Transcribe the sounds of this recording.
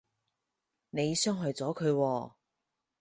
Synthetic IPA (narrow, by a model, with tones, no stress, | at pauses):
ne˨˧jsœː˥ŋɦœ˨jt͡sɔː˨˥kʰɵ˨˧ɥwɔː˧